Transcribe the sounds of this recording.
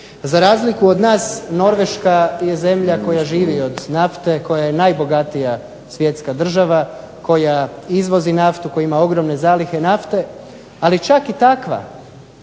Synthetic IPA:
zaɾaːzlikuo̞d̪naːsno̞ɾʋe̞ʃkajeze̞mʎako̞jaʒiːʋio̞d̪naft̪e̞ko̞jajenajbo̞ɡat̪ija | sʋje̞t̪skad̪r̩ʒaʋa | ko̞jaizʋo̞zinaft̪uko̞jaimao̞ɡɾo̞mne̞zaːlixe̞naft̪e̞ | alit͡ʃakit̪akʋa̰

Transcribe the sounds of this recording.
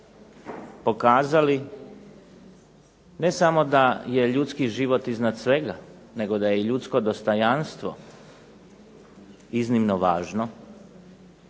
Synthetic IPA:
po̞kaːzali | ne̞samo̞d̪aje̞ʎut̪skiʒiʋo̞t̪iznad̪sʋe̞ɡa | ne̞ɡo̞d̪ajeiʎut̪skod̪o̞st̪ojanst̪ʋo | iznimnoʋaːʒno

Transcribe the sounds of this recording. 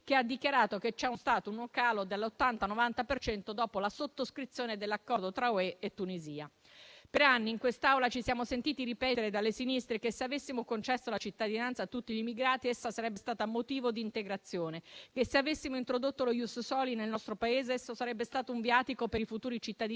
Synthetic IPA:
kead̪ːikjaɾaːt̪oket͡ʃːɛunst̪aːt̪ounokaːlod̪elːot̪ːant̪anovant̪apert͡ʃɛnt̪od̪ɔːpolasot̪ːoskɾit̪sːjoːned̪elːakːɔɾrd̪ot̪ɾaoeet̪ːuniziːa | peɾanːiːŋkwest̪awlat͡ʃisjaːmosent̪iːt̪iɾipɛːt̪eɾed̪alːesinist̪ɾekesːeavesːimokont͡ʃɛsːolat͡ʃit̪ːad̪inant̪sat̪ːut̪ːiʎimiɡɾaːt̪iesːasaɾɛbːest̪aːt̪amot̪iːvod̪iːnt̪eɡɾat̪sːjoːnekesːeavesːimoint̪ɾod̪ot̪ːolojussɔlinelnɔst̪ɾopaeːzeesːosaɾɛbːest̪aːt̪ouɱvjaːt̪ikopeɾifut̪uːɾit͡ʃit̪ːad̪i

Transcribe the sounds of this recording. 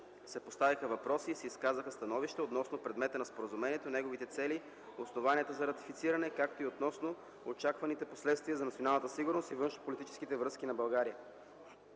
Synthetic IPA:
sɛpost̪avixəvɐpɾɔsiːsɛiskazəxəst̪ɐnɔviʃt̪ɛot̪nɔsnopɾɛd̪mɛt̪ənɐspoɾəzumɛniɛt̪onɛɡovit̪ɛt̪sɛli | osnovaniɛt̪ozɐɾɐt̪i̥fit̪siɾɐnɛkak̚t̪oiot̪nɔsno | ot͡ʃakvɐnit̪ɛposlɛt̪st̪viəzɐnɐt̪sionalˠnət̪əsiɡʊɾnost̪ivɤnʃnopolit̪it͡ʃɛ̥sk̟it̪ɛvɾɤskinɐbɐlˠɡaɾiə

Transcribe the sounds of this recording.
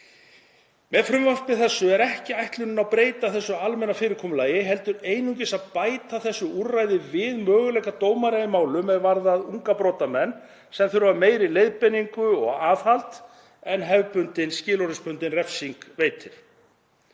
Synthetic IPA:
mɛðfɾʏmvar̥pɪθɛsːʏɛɾɛhcɪajht̪lʏnʏnawpɾeːjt̪aθɛsːʏalmɛnːafɪːɾɪɾkʰɔːmʏlaːjɪɦɛlt̪ʏɾeːjnuɲcɪsaðpaːjt̪aθɛsːʏuɾrajðɪvɪðmœːɣʏlɛːhkat̪oːwmaɾajðɪmaːwlʏmɛðvaɾðaðuŋkapɾoːt̪amɛnː | sɛmθʏɾʏvameːjɾɪlejðpɛnːiŋkʏɔɣaːðhalt̪ | ɛnɦɛvpʏnt̪ɪnscɪːlɔɾɪspʏnt̪ɪnrɛfsiŋkveːjt̪ɪɾ̥

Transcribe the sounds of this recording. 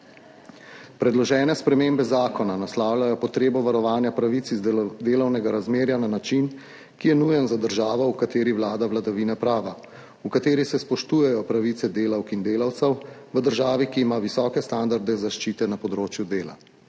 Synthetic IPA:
pɾɛd̪lɔʒɛːnɛspɾɛmeːmbɛzaːkɔnanaslaːwljajɔpɔt̪ɾeːbɔʋaɾɔʋaːnjapɾaʋit̪sid̪eːlɔwnɛɡaɾazmeːɾjananat͡ʃin | kijɛnujɛnzad̪əɾʒaːʋɔukat̪eːɾiʋwlaːd̪aʋlad̪aʋiːnapɾaːʋa | ukat̪eːɾisɛspɔʃt̪uːjɛjɔpɾaʋit̪sɛd̪eːlawkind̪eːlawt̪sɛwʋəd̪əɾʒaːʋikiːmaʋisɔːkɛst̪and̪aɾd̪ɛzaʃt͡ʃiːt̪ɛnapɔd̪ɾoːt͡ʃjud̪eːla̰

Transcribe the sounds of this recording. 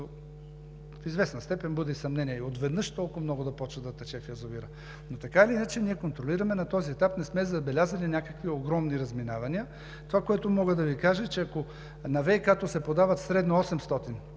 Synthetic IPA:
o | fizvɛsnɐst̪ɛpɛnbɤd̪ɛisɐmnɛnijɛiot̪vɛd̪nɤʃt̪ɔlˠkʊvmnɔɡʊd̪ɐpɔt͡ʃvəd̪ɐt̪ɛt͡ʃɛfjɛzoviɾə | not̪ɐkailiinət͡ʃɛniɛkont̪ɾoliɾɐmɛnɐt̪ɔziɛt̪apnɛsmɛzɐbɛlʲazɐlinʲakəkvioɡɾɔmniɾɐzminavɐniə | t̪ovakoɛt̪ʊmɔɡəd̪ɐvikaʒət͡ʃɛɐko | nɐvɛjkat̪osɛpod̪avɐt̪sɾɛd̪noɔsɛmst̪ɔt̪in

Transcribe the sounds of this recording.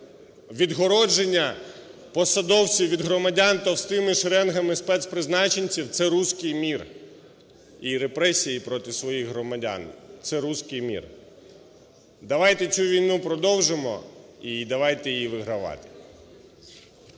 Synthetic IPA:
ʋʲid̪ɦɔɾɔd͡ʒenʲːɐ | pɔsɐd̪ɔwt͡sʲiwʲʋʲid̪ɦɾɔmɐdʲant̪ɔst̪ɪmɪʃɾɛnɦɐmɪspɛt̪spɾɪznɑt͡ʃenʲt͡sʲiwt̪sɛɾuskɪjmʲir | iɾepɾɛsʲijipɾɔt̪ɪsʋɔjixɦɾɔmɐdʲa̰nt̪sɛɾuskɪjmʲḭr | d̪ɐʋɑjt̪ɛt͡sʲsʲuʋʲijnupɾɔd̪ɔwʒɪmɔ̰id̪ɐʋɑjt̪ɛjjiʋɪɦɾɐʋɑ̰t̪ɪ̥

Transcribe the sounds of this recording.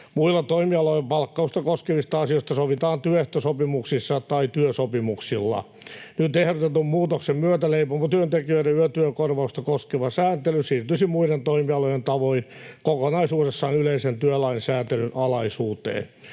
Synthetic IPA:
muilːɑt̪oimiɑlojempɑlkːɑust̪ɑkoskeʋist̪ɑɑsijost̪ɑsoʋit̪ɑːnt̪yøeht̪øsopimuksisːɑt̪ɑit̪yøsopimuksilːɑ̰ | nyt̪ehrot̪et̪ummuːt̪oksemmyøt̪æleipomːɑt̪yønt̪ekiøiɾeyøt̪yøkorʋɑust̪ɑkoskeʋɑsæːnt̪elysiːrt̪ysimmuident̪oimiɑlojent̪ɑʋoin | kokonɑisuːɾesːɑːnyleisent̪yølɑinsæːnt̪elynʔɑlɑisuːt̪ḛːn

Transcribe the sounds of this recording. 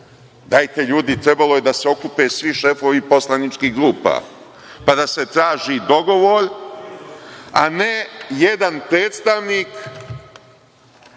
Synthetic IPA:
d̪ajt̪e̞ʎuːd̪it̪ɾe̞balo̞jed̪aseo̞kupe̞ːsʋiʃe̞fo̞ʋipo̞slˠanit͡ʃkiɦɡɾuːpa̰ | pad̪ase̞t̪ɾaːʒid̪o̞ɡo̞ʋo̞ɾ | anejed̪anpɾe̞ːt̪st̪aʋnik

